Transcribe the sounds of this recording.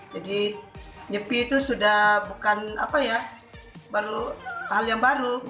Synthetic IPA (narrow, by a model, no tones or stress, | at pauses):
d͡ʒadi | ɲəpit̪usudahbukana̰paja | baɾuɦaljaŋbaɾu